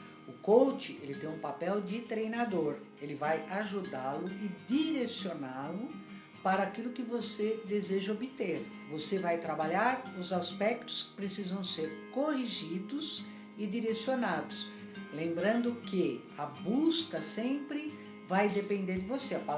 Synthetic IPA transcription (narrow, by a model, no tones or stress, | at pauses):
ʊkowt͡ʃɪelɪt̪ẽj̃ũpapɛwd͡ʒɪt̪ɾejnad̪oɾ | elɪvajaʒud̪alʊɪd̪iɾesionalʊ | paɾɐːkilʊkɪvosed̪ezeʒɐobɪt̪eɾ | vosevajt̪ɾabaʎaɾʊzaspɛkt̪ʊ̥skɪ̥pɾesizɐ̃w̃seɾkohiʒid̪ʊz | ɪd͡ʒ̪iɾesionad̪ʊs | lẽmbɾɐ̃nd̪ʊkɪ | ɐbuskɐsẽmpɾɪ | vajd̪epẽnd̪eɾd͡ʒɪvoseɐpa